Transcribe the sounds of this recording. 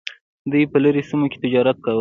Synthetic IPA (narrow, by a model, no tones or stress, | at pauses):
d̪ujpələɾesimoke̥t̪ɪd͡ʒɑɾat̪̚kawə